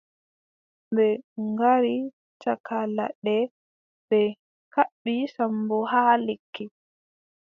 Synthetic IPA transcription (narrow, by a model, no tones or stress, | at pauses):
bɛŋɡaɾi | takala̰ɗɛ | bɛ | kaɓːisambɔhaːlekːi